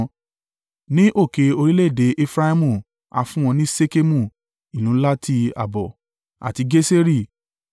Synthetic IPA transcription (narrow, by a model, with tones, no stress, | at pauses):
nĩ˦ʔo˦˨ke˧o˧ɾi˦le˦˨de˨˦ʔe˦fɾa˦i˦mũ˦˨ | a̰˧fũ˦w̃ɔ̃˧nĩ˦se˦ke˦mũ˦˨ | i˨nũ˨˦la˦tʰi˦˧a̰˨bɔ̰˨ | a̰˨ti˧ɡe˦se˦ɾi˦˨